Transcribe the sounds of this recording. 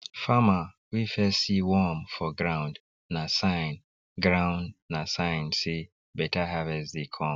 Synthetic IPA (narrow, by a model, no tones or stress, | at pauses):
fama | wifɛsiwɔmfɔɡɹãʊ̃nd | nasãjn | ɡɹãʊ̃ndnasãɪ̃nsi | bɛtahavɛsdikʰɔ̃